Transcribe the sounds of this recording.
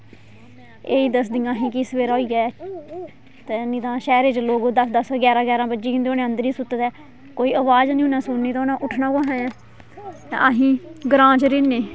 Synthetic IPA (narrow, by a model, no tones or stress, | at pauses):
eːiːd̪əsd̪ijãːɦĩːkisʋeːɾaːoiːɡaːɛː | t̪eːnĩːt̪ãːʃɛːɾeːt͡ʃloːɡoːd̪əsd̪əsɡɛːɾãːɡɛːɾãːbəd͡ʒiːɪ̃nd̪eoːnẽːənd̪əɾiːsʊt̪ət̪ɛː | koːiːəʋaːd͡ʒnĩːũːnãːsʊnniːt̪ːoːnãːʔʊʈʰnãːkãːɦãːãː | t̪ḛaɦĩːɡɾãːt͡ʃɾeːneː